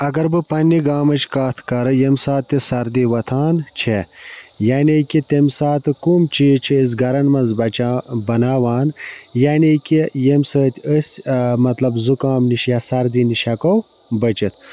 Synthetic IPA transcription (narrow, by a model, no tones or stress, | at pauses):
ɐɡɐɾbɨpɐnːiɡaːmɐt͡ʃkaːt̪ʰkɐɾɨjemsaːt̪ːisɐɾd̪iʋɐt̪ʰaːnt͡ʃʰe | jaːnikʲit̪emsaːt̪ɨkuːmt͡ʃʰit͡ʃʰiːs̬ɡɐɾɐnmɐnzbɐabɐnaːʋaːn | jaːnikʲijemsəːt̪ʲəsʲmɐt̪lɐbzukaːmniʃjaːsɐɾd̪iniʃɐkow | bɐt͡ʃit̪ʰ